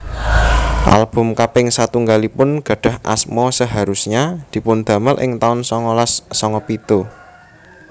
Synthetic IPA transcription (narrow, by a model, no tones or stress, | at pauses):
ʔa̰lb̥ʊ̤mkapɪŋsat̪uŋɡalipʊnɡ̥ä̤ɖ̥ä̤hʔa̰smɔsəɦaɾusɲad̪̥i̤pʊnd̪̥ä̤məlʔɪ̰ŋt̪aʊnsɔŋɔlasːɔŋɔpit̪u